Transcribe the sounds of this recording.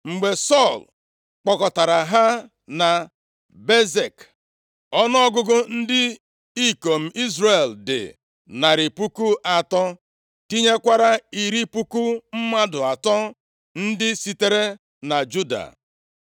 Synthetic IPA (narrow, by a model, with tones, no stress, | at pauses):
ŋ͡m̩˨ɡ͡be˨sɔ˦˨l | k͡pɔ˨kɔ˨ta˨ɾa˨ɦa˦ | na˨ | be˦ze˨k | ɔ˦n˦ɔ˦ɡʊ˦ɡʊ˦n̩˦dɪ˦ | i˦ko˨m̩˨i˦zre˨ldɪ̰˨ | na˨ɾɪ˨pu˦ku˦ʔa˨tɔ˦ | ti˦ɲe˦kʷa˦ɾa˦i˨ɾi˦pu˦ku˦m̩˦ma˦dʊ˨a˨tɔ˦ | n̩˦dɪ˦si˦te˦ɾe˦ | na˨d͡ʒu˦da̰˨